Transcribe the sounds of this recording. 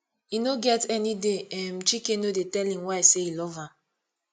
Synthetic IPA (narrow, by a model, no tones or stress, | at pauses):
inoɡɛtɛnideɛm̩t͡ʃikenodetɛlĩmwaɪseilɔva